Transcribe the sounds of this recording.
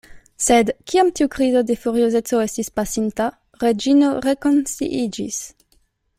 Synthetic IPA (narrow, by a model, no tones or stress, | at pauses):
sed̪kiamt̪iukʁizod̪efuʁiozet͡soest̪ispasint̪a | ʁed͡ʒinoʁekonsḭʔid͡ʒḭs